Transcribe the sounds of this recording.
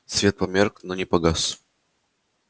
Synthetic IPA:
svʲet̪̚pɐmʲerknonʲɪpɐɡas

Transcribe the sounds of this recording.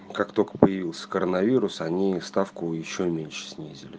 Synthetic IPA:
kakt̪olʲkə̥pəjɪvʲilˠsʲə̥kəɾənɐvʲiɾʊsɐnʲist̪afkʊjɪɕːomʲenʲʂə̥sʲnʲizʲɪlʲɪ

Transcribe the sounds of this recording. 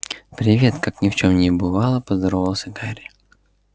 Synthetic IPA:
pɾʲɪvʲe̞t̪kaknʲɪft͡ɕomnʲɪbɨvalˠəpəzd̪ɾovəlˠsʲəɡaɾʲɪ

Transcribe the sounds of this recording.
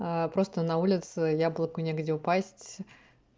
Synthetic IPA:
əpɾo̞st̪ənɐulʲɪt̪sɨjablˠəkʊnʲeɡdʲɪʊpasʲtʲ

